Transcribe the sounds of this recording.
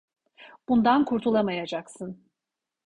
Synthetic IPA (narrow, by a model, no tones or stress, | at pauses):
b̥und̪ankʰuɾt̪ʰulˠamajad͡ʒaksɯn